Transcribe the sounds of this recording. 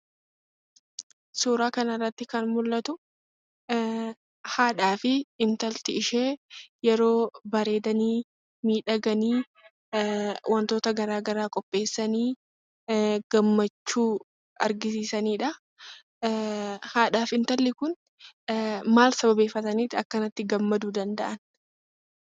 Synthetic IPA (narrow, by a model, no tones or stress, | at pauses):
suːɾaːkɐnɐrːɐt̪ːɪkɐnmʊlːɐt̪ʊ | haːᶑaːfɪɪnt̪ɐlt̪ɪɪʃe̞ːjɛɾo̞ːbɐɾe̞ːd̪ɐniː | miːᶑɐɡɐniː | wʔɐnt̪o̞ːt̪ɐɡɐɾaːɡɐɾaːkʼɔpʼːe̞ːsːɐniː | ɡ̥ɐmːɐt͡ʃːuː | ɐɾɡɪsiːsɐniːᶑɐ | haːᶑaːfɪnt̪ɐlːɪkʊn | maːlsɐbɐbe̞ːfːɐt̪ɐniːt̪ːɪɐkːɐnɐt̪ːɪɡɐmːɐd̪uːd̪ɐnd̪ɐʔɐn